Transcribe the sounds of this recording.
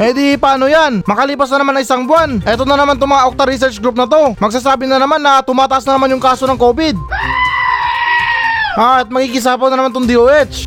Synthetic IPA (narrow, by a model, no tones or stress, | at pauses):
ɛd̪ipaːnojanmɐkɐliːpɐs̬nɐnɐmanɐŋʔɪsaŋbʊanʔɛːt̪onɐnɐmant̪ʊŋmɐŋaʔok̚t̪ɐɾis̬ɛɾt͡ʃɡɾup̚nɐt̪o̞mɐɡ̚s̬aːs̬aːbɪnɐnɐmanːɐt̪ʊmaːt̪ɐʔas̬nɐnɐmanjʊŋkaːso̞nɐŋko̞ːbɪd̪̚ | ʔat̪̚mɐɡikɪs̬aːponɐnɐmant̪ʊŋd̪iʔoːʔɛt͡ʃ